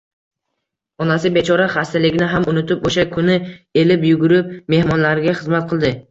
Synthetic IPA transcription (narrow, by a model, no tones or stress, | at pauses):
ɒnas̬ɪbe̞t͡ʃʰɒɾaχast̪alɪɡʲɪnɪɦamʊnʊt̪ɪpoʃakʰʊnɪe̞lɪpjʊɡʊɾɪp̚me̞hmɒnlaɾɡʲaχɨzmat̪̚qʰɨlˠd̪ɪ